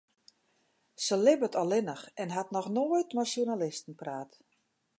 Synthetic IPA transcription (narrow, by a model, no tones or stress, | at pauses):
səlɪbətʰɔlɪnəxɛnɦatnɔxnoːəjtmaʃjunalɪstn̩praːt